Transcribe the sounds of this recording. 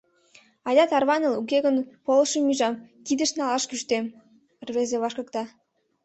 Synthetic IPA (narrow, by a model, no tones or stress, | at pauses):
ɑjʲɑt̪ɑrβɑnə̆luk̬eɣə̆npolɤʃəmyʒɑmk̪id̪ə̆ʃnɑlɑʃkyʃt̪em | rβezeβɑʃkɤ̆kt̪ɑ